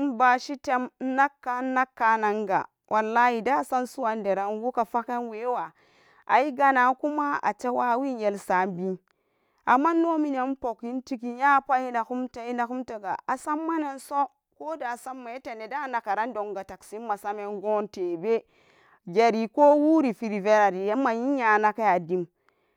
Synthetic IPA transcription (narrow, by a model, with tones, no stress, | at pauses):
nba˨ʃi˦te˦m˦na˦kːa˨˦na˦kːa˨na˨ŋɡa̰˨ | wʔa˨lːa˦hi˨da˦˨sa˦nsu˦wa˨nde˨ɾa˨˦nɡu˦ka˨fa˦ke˦nwe˨˦wa˨ | ʔa̰˨i˦ɡa˦na˨ku˦ma˦a̰˨t͡ʃe˦wa˦wi˦nje˨lsa˨˦mbi˦ | a˨mːa˦no˦mi˦na˨˦m˦po˨ki˦nti˦ki˨˦ja˦pa˦ji˦na˨ku˦mta˦i˦na˨ku˦mte˨ɡa̰˨a˨sa˦mːa˦na˦nso˦ | ko˦da˨sa˦mːa˨e˦te˨ne˨da˦˨na˨ka˨ɾa˦n˦do˨ŋɡa˨ta˨ksi˦ma˨sa˦me˨nɡo˦nte˨be˦ | ɡe˨ɾi˨ko˦wu˦ɾi˨fi˨ɾi˨ve˦ɾa˨ɾi˨je˦ma˨ji˦ja˨na˨ka˦ja˨di˦m